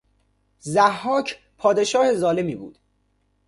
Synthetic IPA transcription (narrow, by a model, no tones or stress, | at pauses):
zæhːɒːcʰ | pʰɒːd̪e̞ʃɒːhe̞zɒːle̞miːbṵːd̪̥